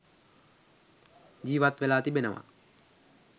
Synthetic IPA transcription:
d͡ʒiːʋat̪ʋelaːt̪ibenəʋa̰

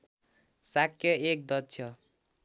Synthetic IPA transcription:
sakʰːjʌek̚d̪ʌt͡ʃʰjʌ

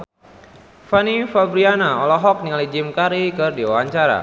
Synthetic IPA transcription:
fanifabɾianaɔlɔɦɔk̚niŋalid͡ʒɪmkaɾikɨrdiwaaɲt͡ʃaɾa̰

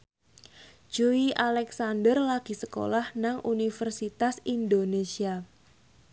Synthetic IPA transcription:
d͡ʒ̥oiʔalɛksandərlaɡ̥i̤səko̰lahnaŋʔunifərsit̪asindonesia

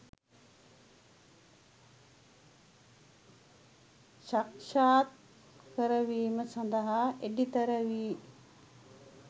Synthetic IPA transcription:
ʃɐkʃaːt̪̚ | kɐɾəʋiːməsɐ̃nd̪əɦaeɖit̪ɐɾəʋiː

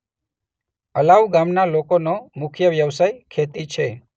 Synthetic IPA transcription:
əlaʋɡamnalokonomʊkʰjəʋjəʋsajkʰet̪it͡ʃʰe

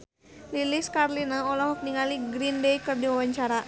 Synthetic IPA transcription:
liliskarlinaɔlɔɦɔk̚niŋaliɡɾindejkɨrdiwawaɲt͡ʃaɾa

